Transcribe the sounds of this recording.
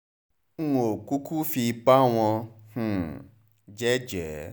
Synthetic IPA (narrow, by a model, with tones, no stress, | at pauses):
o˨ku˦ku˦fi˧pa˦w̃ɔ̃˧h̩˨ | d͡ʒɛ˦d͡ʒɛ˨